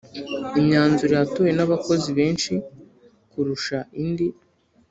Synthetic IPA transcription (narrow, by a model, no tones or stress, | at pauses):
iɲɲaːnzuɾijatuje̞naβako̞ziβe̞ːnʃi | kuɾuʃaindi